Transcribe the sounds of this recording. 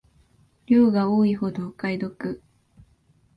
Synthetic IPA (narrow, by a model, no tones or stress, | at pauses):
ɾʲoːɡaoːiɦo̞d̪o̞kaid̪o̞kɯ̟